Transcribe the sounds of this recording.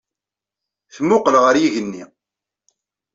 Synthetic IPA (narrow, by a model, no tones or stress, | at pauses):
θmʊqəlʁəɾjiʝənːi